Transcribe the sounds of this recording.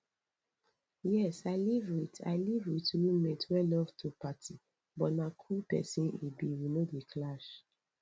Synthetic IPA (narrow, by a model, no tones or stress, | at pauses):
jɛsaɪlivwita̰ɪlivwitɹumetwɛlɔftʰupatʰi | bɔtnakʰupɛ̰sĩnḭbiwinodekʰlaʃ